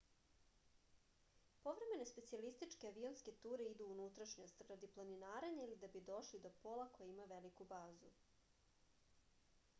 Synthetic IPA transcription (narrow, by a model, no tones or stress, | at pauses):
po̞ʋɾe̞me̞ne̞spe̞t̪sialist̪it͡ʂkeaʋio̞nske̞t̪uːɾe̞id̪uunut̪ɾaʃɲost̪ɾad̪iplˠaninaːɾeɲailid̪abid̪o̞ʃlid̪o̞polˠako̞jeimaʋe̞likubaːzu